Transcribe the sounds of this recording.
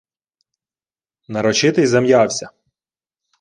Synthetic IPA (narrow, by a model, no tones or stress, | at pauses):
nɐɾɔt͡ʃɪt̪ɪjzɐmjɑwsʲɐ